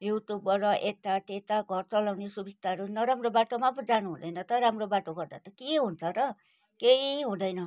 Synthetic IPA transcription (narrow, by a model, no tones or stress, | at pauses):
juʈjubʌɾʌʔet̪aʈ̪et̪aɡʱʌrt͡sʌlawnesubit̪aɾunʌɾamrobaʈomapʌd͡zanuɦũd̪ʌjnʌt̪ʌɾamrobaʈoɡʌrd̪a̰t̪ʌkeɦunt͡sʰʌɾʌ | keɦiɦũd̪ʌjnʌ